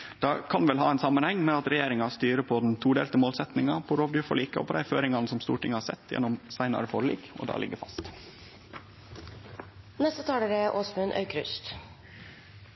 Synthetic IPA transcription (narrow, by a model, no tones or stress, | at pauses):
d̪̥ɑːkʰɑnʋɛlɦɑ̰ːæɪnsɑmːənhɛŋːmɛɑt̪ɾɛjeːɾɪŋɑst̪yːɾəpʰɔd̪n̩t̪ʰuːɖḛːlt̪əmoːlsɛt̪nɪŋɑpʰɔɾoːʋd̪ʉfɔ̰ɭiːkəɔ̰pʰɔd̪æɪføːɾɪŋɑnəsɔmst̪ṵːʈʰɪŋːəhɑsɛ̰t̪ʰːjɛ̰nːɔmsæɪnɑ̰ɾəfoːɾlḭːkɔ̰d̪ɑ̰ːlɪ̰ɡːəfɑst̪ | nɛst̪ət̪ʰɑːləɾɛʔoːsmʉnʔœ̰ʏkɾʉst̪